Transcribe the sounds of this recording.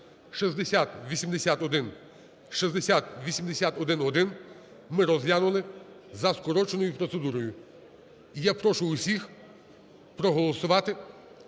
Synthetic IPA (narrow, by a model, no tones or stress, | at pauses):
ʃizd̪esʲat̪ʋʲisʲimd̪esʲat̪ɔd̪ɪn | ʃizd̪esʲat̪ʋʲisʲimd̪esʲat̪ɔd̪ɪnɔd̪ɪn | mɪɾɔzjanʊlˠɪ | zɐskɔɾɔt͡ʃenɔjʊpɾɔt̪sed̪uɾɔjʊ | ijapɾɔʃʊʊsʲix | pɾɔɦɔlˠɔsʊʋɑt̪ɪ